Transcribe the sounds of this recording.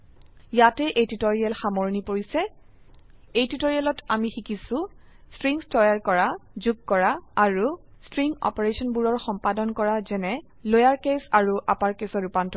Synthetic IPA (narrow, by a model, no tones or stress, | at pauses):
jatɛʔejtitoɹialxamoɹnipoɹisɛ | ejtitoɹialɔtamixikisũ | stɹiŋstɔjaɹkɔɹazuɡ̚kɔɹaːɹustɹiŋɔ̰pɔɹesɔnbuɹɔɹxɔmpadɔnkɔɹazɛnɛ | lojaɹkesaɹuʔa̰paɹkesɔɹupantɔ